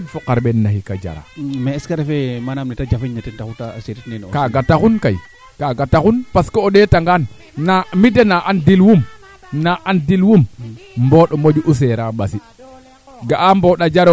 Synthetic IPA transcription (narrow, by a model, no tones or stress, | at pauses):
fokaɾɓenːahikad͡ʒa̰ɾa̰meːskaɾefemanamnitad͡ʒafiɲnatentakuta̰seɾitnenkaɡatakunkaj | kaɡatakunpaskooɗetaŋɡan | namidenaʔandilwum | naʔandilwummboɗɔmod͡ʒuʔus̬eɾaɓasi | ɡaʔamboɗad͡ʒaɾo